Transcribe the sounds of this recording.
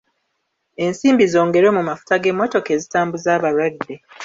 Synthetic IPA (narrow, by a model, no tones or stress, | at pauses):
e̞nsiːmbizo̞ːŋɡe̞ɾo̞ːmumafu̥taɡe̞mːo̞to̞ke̞ːzitaːmbuzaːβaɾwadːe